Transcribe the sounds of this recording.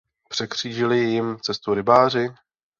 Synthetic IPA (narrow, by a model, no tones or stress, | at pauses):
pr̥ɛkr̝̥iːʒɪlɪjjɪmt͡sɛst̪uɾɪbaːr̝ɪ